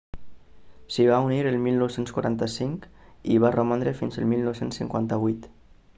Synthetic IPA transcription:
siβauniɾəlˠmilˠnowsenskwa̰ɾa̰nt̪əsiŋkiβaromand̪ɾefinzəlˠmilˠnowsensːḭŋkwant̪əβ̞ujt̪

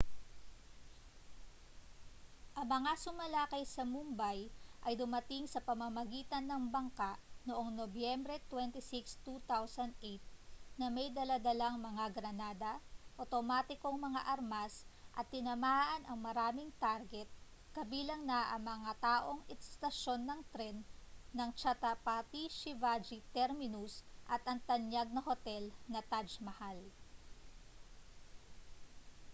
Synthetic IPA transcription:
ʔɐŋmɐŋasʊmɐlaːkɐjsɐmumbajʔɐjd̪ʊmɐt̪ɪŋsɐpɐmɐmɐɡiːt̪ɐnːɐŋbɐŋkaʔnoʔo̞ŋnobjɛmbɾɛt̪wɛnt̪ɪsɪkst̪ut̪awsɐnd̪̚ʔejt̪̚nɐmɐjd̪ɐlad̪ɐlaŋmɐŋaɡɾɐnaːd̪ɐʔot̪omaːt̪ɪko̞ŋmɐŋa̰ʔɐɾmasʔɐ̰t̪̚ːɪnɐmaʔɐnʔɐŋmɐɾaːmɪŋt̪aɾɡɛt̪̚ | kɐbiːlɐŋnɐʔɐŋmɐŋat̪aːʔo̞ŋɛst̪ɐʃo̞nːɐŋt̪ɾɛnːɐŋt͡ʃɐt̪ɐpat̪iʃɪvad͡ʒit̪ɛɾmɪnusʔɐt̪ʔɐŋt̪ɐnjaɡ̚nɐho̞t̪ɛlnɐt̪ad͡ʒmɐhal

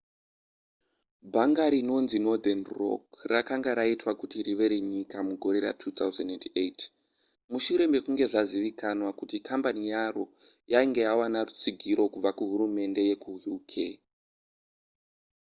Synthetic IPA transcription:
bʱaŋɡaɾino̞nzino̞d̪anro̞̰krakaŋɡaɾaitwakutiɾiʋe̞ɾeɲikamuɡʱo̞ɾe̞ra̰tʰuːt̪awzandendet | muʃuɾe̞mbe̞kuŋɡe̞ʐaziʋikanwakutikʰambanijaro̞ | jaiŋɡe̞jawanarut͡siɡʱiɾo̞kub͡vakuɦuɾume̞nde̞je̞kuɦjukʰe

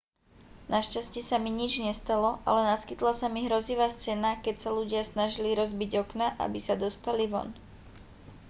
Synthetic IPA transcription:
naʃcascɪɛsamiɲid͡ʒɲɛst̪alɔʔa̰lɛnaskit̪lasamiɦɾɔziʋaːst͡sɛnakɛcsaluɟɪasnaʒiliɾɔzbiɟɔknaʔa̰bisad̪ɔst̪aliʋɔ̰n

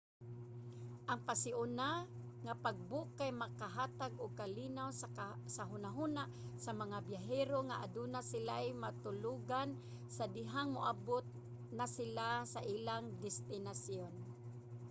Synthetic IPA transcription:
ʔaŋpasɪʔʊnaŋapaɡ̚bʊʔkːajmakaɦat̪aɡʊɡ̚kalinawsaɦʊnaɦunaʔsamaŋabjaɦɛɾoŋaʔad̪unasɪlajmat̪ʊluɡan | sad̪ɪɦaŋmʊʔabʊt̪̚ | nasɪlasaʔilaŋd̪ɪst̪ɪnasjon

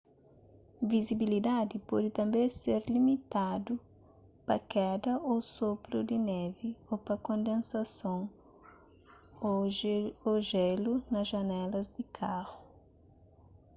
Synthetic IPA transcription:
vizibilid̪ad̪ɪpɔd̪ɪt̪ɐ̃mbẽjseɾlimit̪ad̪ʊ | pɐkɛd̪ɐʔosopɾʊd̪ɪnɛvɪopɐkõnd̪ẽnsasõŋ | oʒɛlʊnɐzʒanɛlɐzd̪ɪkʰaʁʊ

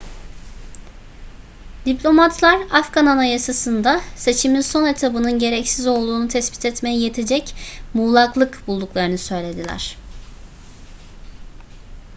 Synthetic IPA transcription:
d̪iplʲo̞mat̪ʰlˠaɾafɡananajasasɯnd̪ase̞t͡ʃʰiminso̞ne̞t̪ʰabɯnɯnɟe̞ɾɛcsizo̞lˠd̪uːnut̪ʰɛsbi̥t̪ʰɛt̪me̞jije̞t̪ʰe̞d͡ʒɛcmuːlˠaklˠɯkbulˠd̪uklˠaɾɯnɯsø̞jlʲe̞d̪ilʲæ̰ɾ̝̥

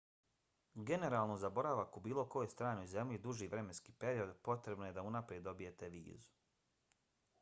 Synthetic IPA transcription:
ɡe̞ne̞ɾalˠnozabo̞ɾaʋakubiːlˠo̞ko̞jost̪ɾaːnojze̞mʎʲid̪uʒiʋɾe̞me̞nski̥pe̞ɾio̞d̪po̞t̪ɾe̞bnojed̪aunapɾied̪ːo̞bije̞t̪e̞ʋḭːzu̥

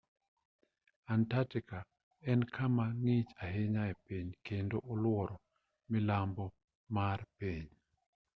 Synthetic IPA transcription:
antatika | ɛnkʰamaŋɪt͡ʃaɦeɲaɛpiɲkendoʔɔlwɔɾɔ | mɪlambɔ | marpiɲ

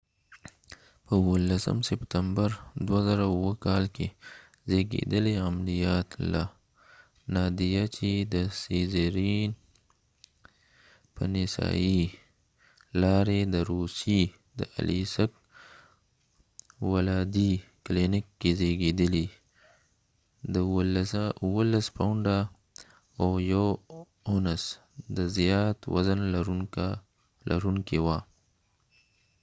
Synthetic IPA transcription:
pəwəlːasə̰msɪpt̪ambaɾd̪wazaɾawəkɑlke | zeɡḛd̪əleamlijɑt̪la̰ | nɑd̪ijat͡ʃid̪əsizeɾin | pə̰nɪsɑ̰i | lɑɾed̪əɾusi | d̪ə̰ʔa̰lʔisək̚ | walɑd̪iklinɪkːezeɡed̪əli | d̪ə | uwəlaspawɳɖa | ojow | onəs | d̪əzjɑt̪wa̰zənlɾ | lʔa̰ɾuŋkewa

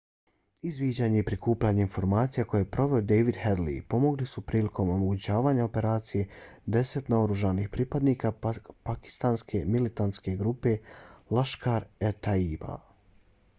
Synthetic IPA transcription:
izʋiːd͡ʑaːɲe̞ipɾikuːpʎaːɲeinfo̞ɾmaːt̪sijako̞jepɾo̞ʋe̞o̞d̪ejʋid̪hed̪lḭpo̞mo̞ɡlisupɾiːlikʰo̞momo̞ɡut͡ɕaːʋaːɲao̞pe̞ɾaːt̪sije̞d̪e̞se̞t̪naoɾuʒanixpɾiːpad̪niːkapaki̥st̪anskʰe̞milit̪ant̪ske̞ɡɾuːpe̞laʃkaɾet̪aiːba̰

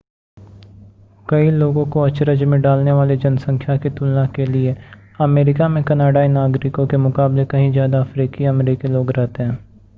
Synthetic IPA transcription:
kɐiloːɡõkoɐt͡ʃɾəd͡ʒmẽɖaːlneʋaːled͡ʒɐnsə̃ŋkʰjakit̪ʊlːakelie | ɐmeːɾɪkamẽkɐnaːɖainaːɡɾɪkõkemʊkaːblekɐɦĩzjaːd̪aɐfɾiːkiɐmɾiːkiloːɡɾɛɦt̪eɦɛ̃ː

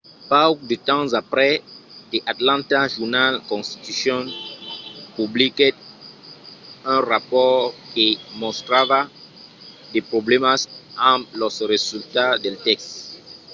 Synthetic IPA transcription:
paokd̪ət̪ɑ̃zapʁɛdeʔat̪lɑ̃taʒuʁnalkɔ̃st̪i̥t̪ysjɔ̃n | publikɛt̪̚ | ɛ̃ʁapɔʁkemɔ̃st̪ɾava | dɛpʁoblɛmasãlɔsʁezylt̪ad̪ɛltɛkst̪

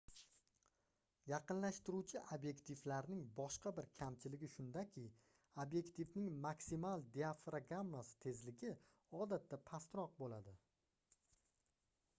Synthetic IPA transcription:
jɑqɨnlaʃt̪ɪɾut͡ʃʰɪʔabje̞kt̪ʰiflaɾnɪŋbɒʃqɑbɪɾkʲʰamt͡ʃʰɪlɪɡʲɪʃʊnd̪akʲʰɪ | abje̞kt̪ifnɪŋmaksimalˠd̪iafɾaɡamːasɪ̥t̪ʰe̞zlɪɡʲɪ | ɒd̪at̪ʰːapʰast̪ɾɒq̚bolad̪ɪ

